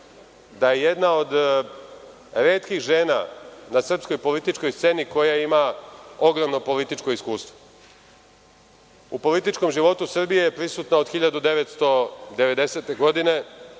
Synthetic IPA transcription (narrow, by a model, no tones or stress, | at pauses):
d̪aje̞jed̪nao̞d̪ | ɾe̞ːt̪kixʒe̞ːna̰nasr̩psko̞jpo̞lit̪it͡ʃko̞jst̪se̞niko̞jaimao̞ɡɾomno̞po̞lit̪it͡ʃko̞iskuːst̪ʋo | upo̞lit̪it͡ʃko̞mʒiʋo̞t̪usr̩bije̞jepɾisuːt̪naod̪xiʎad̪ud̪e̞ʋet̪st̪o̞d̪e̞ʋe̞d̪e̞se̞t̪e̞ɡo̞d̪ine̞